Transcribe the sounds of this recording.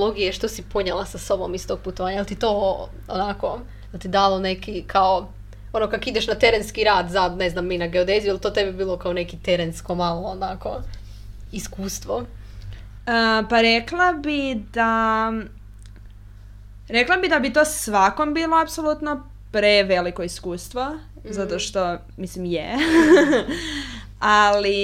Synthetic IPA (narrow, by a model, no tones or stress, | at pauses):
loɡijeʃt̪osipoɲelˠasaso̞bomist̪oɡ̥̚put̪oaːɲajelʲˠt̪it̪oː | onako | jelt̪id̪alˠonekikʰao | o̞nokakid̪eʃnat̪e̞ɾenskiɾaːd̪zad̪neznamːinaɡeod̪ezijualˠt̪oːt̪ebibiːlˠokaone̞kit̪eɾenskomalˠoːnako | iskuːst̪ʋo | əpaɾeklˠabid̪a | ɾeklˠabid̪abit̪oːsʋako̞mbiːloapsolˠut̪no | pɾeʋe̞likoiskuːst̪ʋo | zat̪o̞ʃt̪o̞ | mislimje | ali